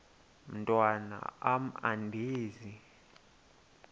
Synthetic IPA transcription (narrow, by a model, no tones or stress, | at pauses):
m̩tʼwana̰am̩andʱiːzi